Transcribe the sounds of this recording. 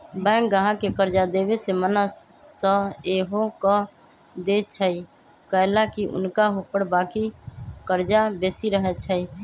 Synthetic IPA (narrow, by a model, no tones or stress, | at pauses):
bɛ̃ːkɡəɦãkekəɾd͡ʒad̪ebesemənəːəeɦokə | d̪et͡ʃʰəi | kəlakiʔʊ̰nkaɦupəɽbaːkikəɾd͡ʒabesiɾəɦɛt͡ʃʰəi